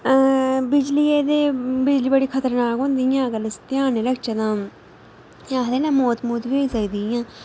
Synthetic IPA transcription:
bɪd͡ʒliːeːd̪eːbɪd͡ʒliːbəɽiːkʰət̪əɾnaːkɦõːnd̪iːjãːkəlɪst̪ɪjaːneɾəɡt͡ʃad̪ãː | ãːd̪eːnãːmoːt̪muːt̪ʋioːiːsəkd̪iːãː

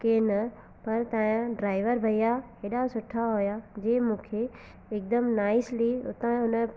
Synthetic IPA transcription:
keːnɐ | pɐɾt̪ãːãɖɾaːɪʋəɾbʱɐijakeːɗasʊʈʰaɦojad͡ʑeːmũːkʰe | ɪk̚d̪əmnaːɪsliʊ̰t̪ãɦʊnə̆

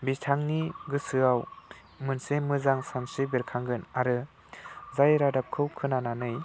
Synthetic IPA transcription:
bitʰaŋniɡɯsɯaw | mɯnsemɯzaŋsansɯbeɾkʰaŋɡɯnaɾɯ | zajɾadap̚kʰɯwkʰɯnananɯj

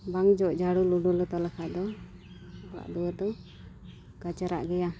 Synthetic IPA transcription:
baŋd͡ʒɔʔd͡ʒaɽuluɖɔlɔt̪ɔlakʰaʔd̪ɔ | ɡa̰ʔd̪ɔwəd̪ɔ | ɡat͡ʃaɾa̰ʔɡɛja

